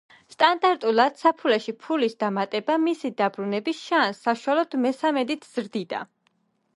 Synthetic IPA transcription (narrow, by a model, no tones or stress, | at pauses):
st̪ʼand̪aɾt̪ʼulˠad̪̥sapʰulɛʃipʰulisd̪amat̪ʼɛbamisid̪abɾunɛbisʃansːaʃualɔd̪mɛsamɛd̪it̪ʰz̥ɾd̪id̪a̰